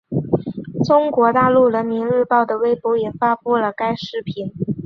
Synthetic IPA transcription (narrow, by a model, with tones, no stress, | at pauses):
ʈ͡ʂʊ˥ŋkwɔ˧˥t̪a˥˧lu˥˩ɻə˧˥nmi˧˥nɻɻ̩˥˧pɑ˥˩ʊd̪ə˩we˥˩ɪpu˧˥ʊjɛ˨˩fa˥pu˥˩lə˩ka˥ɪʂɻ̩˥˩pʰi˧˥n